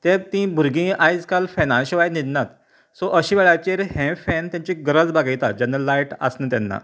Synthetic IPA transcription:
t̪ẽb̚t̪ĩbʱuɾɡĩajd͡zkalfɛnãnɕiʋajnid̪nat̪ | sɔʔəɕĩʋeɭajt͡ɕeɾhɛ̃fɛnt̪jaɲt͡ɕiɡəɾəd͡zbaɡajt̪at̪̚d͡ʑanːalajʈa̰snət̪janːa̰

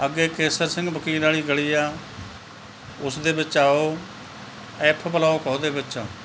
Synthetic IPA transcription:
əɡeːkeːsəɾsɪ̃ŋɡbəkiːɾaːɭiːɡəɭiːaː | ʊsd̪eːbɪt͡ʃaːoː | ɛːpʰbəlaːoːkəoːd̪eːbɪt͡ʃaː

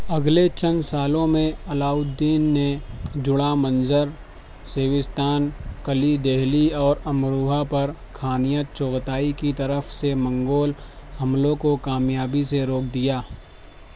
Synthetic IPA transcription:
ɐɡlet͡ʃə̃nsaːlõmẽɐlaːʊd̪ːiːnːed͡ʒʊɽamə̃nzəɾ | seːʋɪst̪ʰaːnkəlid̪eɦliɔːɾɐmɾuːɦapɐɾ | kʰaːnijət͡ʃɔːɡt̪aːikit̪ɐɾəfsemɐ̃ŋɡoːlhɐmlõkokaːmjaːbiseɾoːk̚ʰd̪ijaː

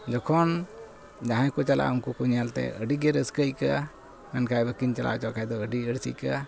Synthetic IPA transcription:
d͡ʒɔkʰɔn | d͡ʒãɦãjkut͡ʃala̰uŋkukuɲalt̪ɛ̰əɖiɡɛɾəskəjka | mɛnkʰajbəkiɲt͡ʃala̰ʔt͡ʃakajd̪ɔəɖiəɽsḭjka

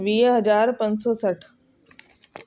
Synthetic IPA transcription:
ʋiːɦɐzaːɾpɐ̃nsosɐʈʰ

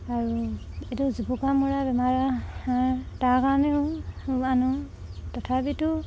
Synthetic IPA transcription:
aɹu | etuzibukamuɹabɛmaɹaatakanɛuanu | tɔtʰabitu

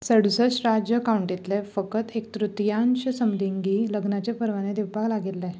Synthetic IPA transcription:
səɽ̤sət͡ɕɾad͡ʑjəkawuɳʈit̪lefəkət̪ek̚t̪ɾut̪janɕəsəmd̪iŋɡiːləɡnat͡ɕepəɾʋaned̪iʋpaɡlaɡilːɛ

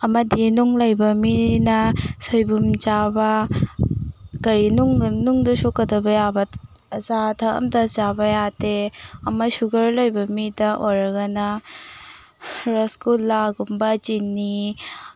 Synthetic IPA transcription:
ɐmɐdinuŋlɐjbɐminɐsojbumd͡ʒabɐ | kɐɾinuŋnuŋdɐsokɐdɐbɐjabɐ | ɐzatʰɐɐ̰mdɐzabɐjateɐmɐsuɡɐɾlojbɐmidɐʔojɾɐɡɐnɐ | ɾɔskulːaɡumbɐd͡ʒinːi

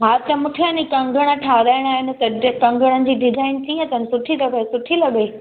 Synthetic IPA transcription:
ɦaːt̪ɐmʊʈʰijãːnikɐ̃ŋɡʱəɽ̃ə̆ʈʰaːɾaːɪɽ̃aːɦɪnɪ̆t̪ɐkɐ̃ŋɡʱəɽ̃ənɪ̆d͡ʑiːɖɪd͡ʑʱaːɪnt͡ɕʰiːɦə̃t̪ɐnɪsʊʈʰilɐɡesʊʈʰilɐɡe

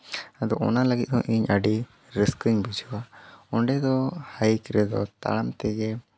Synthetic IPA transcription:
ad̪ɔɔ̰naləɡit̪̚ˀhɔ̃ʔiɲəɖi | ɾiskiɲbid͡ʒɔwaɔɳɖɛd̪ɔhajkɾɛd̪ɔ̰t̪a̰ɽamt̪ɛɡɛ

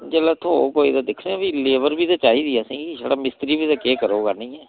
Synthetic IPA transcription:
d͡ʒɛːlaːt̪ʰoːokoːḭːd̪aːd̪ɪkʰnẽbiːleːʋəɾbiːt̪aːt͡ʃaːiːd̪iːaːsĩːiʃaːɽaːmɪst̪ɾiːbiːt̪aːkeːkəɾoːɡaːnĩːɛː

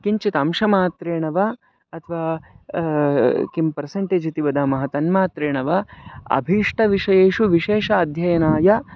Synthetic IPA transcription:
kiɲt͡ʃit̪ɐmʃɐmaːt̪ɾeːɳɐʋɐ | ɐt̪ʰɐʋaː | kimpɐɾseɳʈeːd͡ʒit̪iʋɐd̪amɐɦɐt̪ɐnmaːt̪ɾeːɳɐʋɐɐ̰bʱiːʂʈɐʋiʂɐjeːʃuʋiʃeːʃɐːd̪ʱjɐjɐnaːjɐ

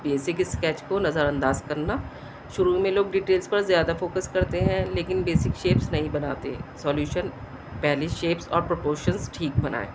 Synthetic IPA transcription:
beːsɪkɪskɛːt͡ʃkonɐzəɾɐ̃nd̪aːzkɐɾna | ʃʊɾumẽloːɡɖiːʈeːlzpɐɾzjaːd̪afoːkəskɐɾt̪eɦɛ̃leːkɪnbeːsɪkʃeːpsnɐɦĩbɐnaːt̪ḛ̃sɔːljuːʃən | pɛɦliʃeːpsɔ̰ːɾpɾopoːɾʃənzʈʰiːk̚bɐna̰ːḛː

